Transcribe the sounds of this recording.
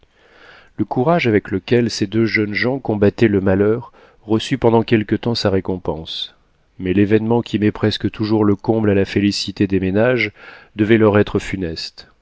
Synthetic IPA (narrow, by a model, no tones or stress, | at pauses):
ləkuʁaʒavɛkləkʲɛlsed̪øʒœnʒɑ̃kɔ̃bat̪ɛləmalœʁː | əsypɑ̃d̪ɑ̃kʲɛlkət̪ɑ̃saʁekɔ̃pɑ̃s | mɛlevɛnmɑ̃kʲimɛpχɛskət̪ʰuʒuʁləkɔ̃blalafelisit̪ed̪emenaʒd̪əvɛlœʁɛt̪χəfynɛst̪